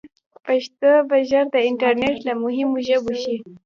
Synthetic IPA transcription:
paʃt̪obaʒaɾd̪əɪɳʈaɾneʈlamʊɦɪmoʒəboʃi

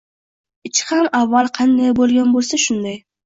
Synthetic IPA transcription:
ɪt͡ʃʰɪ̥hamavːalˠqʰɑnd̪ajbolˠɡʲanbolˠsaʃʊnd̪aj

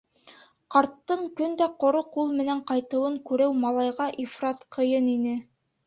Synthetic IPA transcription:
qɑɾt̪ːɤɴkɵnd̪æqŏɾoqulˠmɘ̆næɴqɑjt̪ɤ̆wɤɴkʉɾæwmɑlˠɑjʁɑʔifrɑt̪qʰɤ̆jɤninɘ

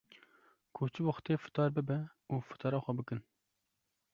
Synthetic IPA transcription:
kʰot͡ʃʰɨboxt̪eːfɨ̥t̪ɑːɾbɨbɛ | uːfɨ̥t̪ʰɑːɾɑːxʷɛbɨkɨn

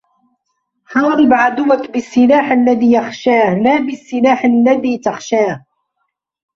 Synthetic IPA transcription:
ħɑːɾˤɪbʕad̪ʊwakbɪsːɪlaːħalːaðiːjaxʃaːhlaːbɪsːɪlaːħalːaðiːt̪axʃaːh

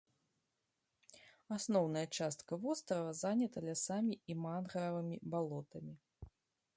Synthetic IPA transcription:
asnɔwnɐjɐt͡ʂast̪kɐvɔst̪ɾɐvɐzanʲɐt̪ɐlʲasamʲiimanɣɐɾɐvɨmʲibalˠɔt̪ɐmʲi

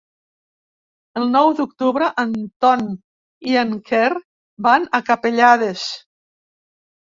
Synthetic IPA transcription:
əlˠnɔwd̪uk̚t̪uβɾəʔənt̪ɔn | iəŋkɛr | banakapeʎaðes

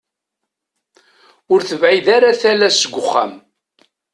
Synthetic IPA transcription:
ʊɾθəvʕiðaɾaθælæsəɡʷʊχːa̰m

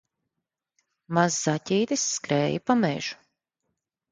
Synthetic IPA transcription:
mazːatʲiːt̪isːkɾɛːjipamɛ̰ːʒ̥u̥

